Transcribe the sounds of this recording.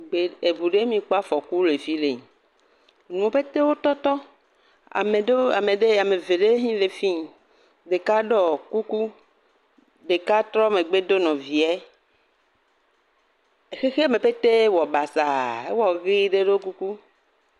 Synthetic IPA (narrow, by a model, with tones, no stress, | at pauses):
ɡ͡be˦e˨bu˨ɖe˦mĩ˨k͡po˦a˦fɔ˨ku˦le˨fi˦le˨ | nũ˨pe˦t̪e˦wo˦t̪ɔ˦t̪ɔ˦ | a̰˨me˨o˦a˨me˨ɖe˦a˨me˨ve˨ɖe˦ɦĩ˦le˨fĩ˦ | de˨ka˦ɖɔ˦ku˦ku˦ | ɖe˨ka˦t̪ɾɔ˦me˨ɡ͡be˦d̪o˦nɔ̃˨vi˨ɛ˦˨ | xe˦xe˦a˨me˨pe˦t̪e˦wɔ˨ba˨sa˨e˦wɔ˨ɣi˦ɖe˦ɖo˦ku˦ku˦